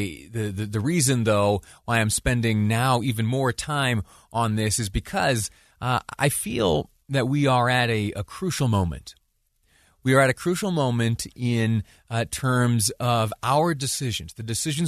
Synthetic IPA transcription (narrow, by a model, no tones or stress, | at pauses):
ðɨðɨðɨɹizɨ̃nðoʊwaɪãɪ̃mspɛ̃ndɪ̃ŋnaʊivɨ̃nmɔɹtʰãɪ̃m | ʔə̃nðɪsɨzbɨkʰʌz | a̰ɪfḭlˠ | ðɨt̚wiə˞ɨɾɨəkʰɹ̥ʉʃl̩ˠmõʊ̃mɨ̰̃nt | wiə˞ɨɾɨkʰɹ̥ʉʃl̩ˠmõʊ̃mɨ̃ntʰɪ̃n | tʰɜ̃˞mzʌvaʊə˞dɨsɪʒɨ̃nzðɨdɨsɪʒɨ̃n